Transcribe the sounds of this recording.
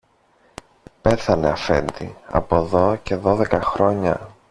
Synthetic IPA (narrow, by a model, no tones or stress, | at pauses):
pe̞θɐne̞ɐfe̞̰nd̪ḭɐ̰po̞ðo̞ce̞ðo̞ðe̞kɐxɾo̞ɲɐ̰